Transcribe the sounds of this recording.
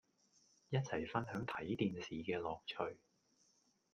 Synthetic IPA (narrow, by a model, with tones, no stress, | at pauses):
jɐ˥t̚t͡sʰɐ˨˩jfɐ˥nɦœː˨˥ŋt̪ʰɐ˨˥jt̪iː˧nsiː˨kɛː˧lɔː˨k̚t͡ʃʰɵ˨˩ɥ